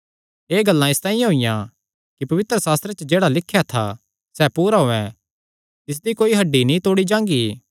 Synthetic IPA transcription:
eːɡɐlːãɪst̪ãːĩjãɦoijã | kipɐʋɪt̪ɾəsaːst̪ɾet͡ʃəd͡ʒeːɽalɪkʰːjat̪ʰa̰ | sɛpuːɾaɦoːɛ̃ | t̪ɪs̬d̪ikoːiɦɐɖːinĩːt̪oːɽid͡ʒãːŋɡiː

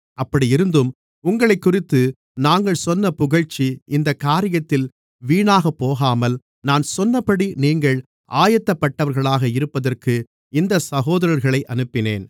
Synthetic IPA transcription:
ɐpːɐɽiɪɾɯnd̪ɯm | ʊŋɡɐɭɐɪkːʊrɪt̪ːɯ | naːŋɡɐɭsɔnːɐpʊɣɐɻt͡ʃːiɪnd̪ɐkːaːɾɪjɐt̪ːɪl | ʋiːɳaːɣɐpːoːɣaːmɐl | naːnsɔnːɐpːɐɽiniːŋɡɐɭ | ʔaːjɐt̪ːɐpːɐʈːɐʋɐɾɣɐɭaːɣɐɪɾɯpːɐðɐrkɯ | ɪnd̪ɐsɐɣoːðɐɾɐɾɣɐɭɐɪʔɐnɯpːɪnḛːn

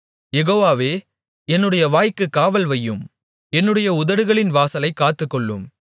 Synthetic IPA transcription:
jɛɣoːʋaːʋeː | ɛnːɯɽɐjɐʋaːjkːɯkːaːʋɐlʋɐjːɯm | ɛnːɯɽɐjɐʊðɐɽɯɣɐɭɪnʋaːsɐlɐɪkːaːt̪ːɯkːɔɭːɯ̰m

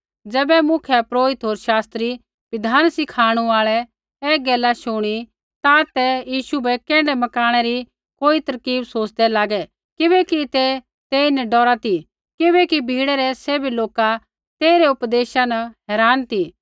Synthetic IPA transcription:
d͡zɛːbɛmʊkʰjɛpɾoːɪt̪ɦoːɾʃaːst̪ɾi | ʋɪd̪ʱaːnsɪkʰaːɽ̃uaːɭɛ | ɛːɡɛːlaʃoɽ̃i | t̪ãt̪ɛjiːʃubɛkɛ̃ːɳɖɛmɐkaːɽ̃ɛɾi | koːit̪ɐɾkiːbsoːt͡ʃd̪ɛlaːɡɛ | kɪbɛkit̪ɛ | t̪eɪnɛɖɔːɾat̪i | kɪβɛkibʱiːɽɛɾɛseːbiloːka | t̪eːɾɛʊpd̪eːʃanɐɦɛːɾaːnt̪i

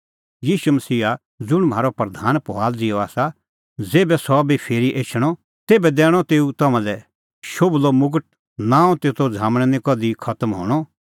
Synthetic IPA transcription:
jiːʃumɐsiːa | d͡zʊɽ̃mɦaːɾɔpɾɐd̪ʱaːnpɔɦaːld͡zɪjɔaːsa | d͡zeːbɛsɔbʱipʰeːɾiʔeːt͡ʃʰɽ̃ɔ | t̪eːbɛd̪ɛːɽ̃ɔt̪eːut̪ɐmãlɛ | ʃoːblɔmʊɡəʈ̚ | nãːɔ̃t̪eːt̪od͡zʱaːmɽ̃ɛnĩkɔd̪ikʰɐt̪əmɦo̰ːɽ̃ɔ

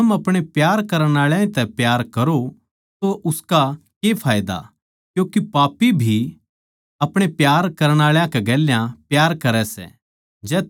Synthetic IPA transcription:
ɐmɐpɽ̃epjaːɾkɐɾəɽ̃aːɭjãĩt̪ɛpjaːɾkɐɾo | t̪oʔʊskakepʰaːjd̪a̰ | kjõːkipaːpibʱi | ɐpɽ̃epjaːɾkɐɾəɽ̃aːɭjãkɛɡɛːljãpjaːɾkɐɾɛsɛ̰ | d͡ʒɛː

